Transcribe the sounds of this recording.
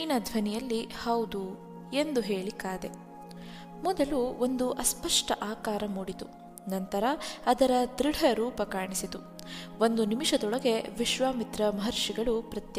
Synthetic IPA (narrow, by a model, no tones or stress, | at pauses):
nɐd̪ʱʋɐnijɐlːihɐwd̪u | e̞nd̪uɦe̞ːɭikaːd̪e̞ | mɔd̪ɐluond̪uʔɐspɐʂʈɐʔaːkaːɾɐmuːɽit̪u | nɐnt̪ɐɾɐːd̪ɐɾɐd̪ɾiɽʱɐɾuːpɐkaːɳisit̪u | ond̪unimiʃɐd̪ɔɭɐɡe̞ʋiʃʋaːmit̪ɾɐmɐɦɐɾʂiɡɐɭupɾɐt̪j